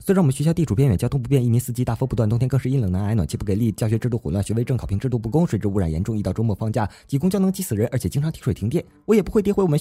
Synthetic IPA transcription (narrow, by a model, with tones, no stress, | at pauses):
swe˥ɻa˥ŋwɔ˨mə˦ɕɛ˧˥ɕjɑ˥ʊt̪i˥˩ʈ͡ʂʰu˨˩pjɛ˥˩nɥɛ˨˩t͡ɕjt̪ʰpu˧˥pjɛ˥˧ni˥˩ni˧˥sɹ̩˥˩t͡ɕi˥t̪a˥˩fə˥pu˧t̪wa˥˩nt̪ŋt̪ʰjɛ˥kɤ˧ʂɻi˥˩nljɤ˨˩ŋna˧˥na˧˥ɪwa˨˩nt͡ɕʰi˧˥pu˥˩ke˨˩li˥˧t͡ɕjɑ˥˩ɕɥɛ˧˥ʈ͡ʂɻ̩˥˧t̪u˥˩xu˨˩lwa˥˩nɕɥɛ˧˥e˥ɪʈ͡ʂɤ˥˩kʰɑ˨˩ʊpʰi˧˥ŋʈ͡ʂɻ̩˥˧t̪u˥˧˩pu˥˩kʊ˥ŋʂwe˧ɪʈ͡ʂɻ̩˧˥u˧˥˩ɻa˨˩jɛ̰˧˥nʈ͡ʂʊ˥˧ŋi˧ɑ˥˧ʊʈ͡ʂʊ˥ŋmwɔ˥˩fɑ˥˧ŋt͡ɕja˥˩t͡ɕi˧˥kʊ˥ŋt͡ɕjɑ˥ʊnɤ˧˥ŋt͡ɕi˥sɹ̩˨˩ɻə˧˥nʔə˧˥t͡ɕʰɛ˨˩t͡ɕi˥ŋʈ͡ʂʰɑ˧˥ŋt̪ʰi˥ʂwe˨˩t̪ʰt̪jɛ˥˩ | wɔ˧˥jɛ˨˩pu˧˥xwɪt̪jxwwɔ˨˩ə˧˦